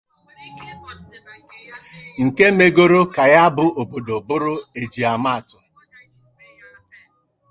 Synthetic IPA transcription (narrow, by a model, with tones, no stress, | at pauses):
ŋ̩˨ke˦me˦ɡo˦ɾo˦ka˨ja˦bʊ˨o˨bo˨do˨bʊ˦ɾʊ˦e˨d͡ʒi˨a˨ma˦a˨tʊ˨